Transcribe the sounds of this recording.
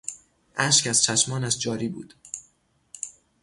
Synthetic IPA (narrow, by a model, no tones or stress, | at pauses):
ʔæʃcæz̥t͡ʃʰæʃmɒːnæʃd͡ʒɒːɾiːbṵːd̪̥